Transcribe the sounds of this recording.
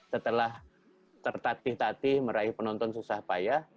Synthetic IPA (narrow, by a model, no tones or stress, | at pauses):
sət̪əlah | t̪ərt̪at̪ɪht̪at̪ɪhməɾaɪhpənɔnt̪ɔnsusahpajah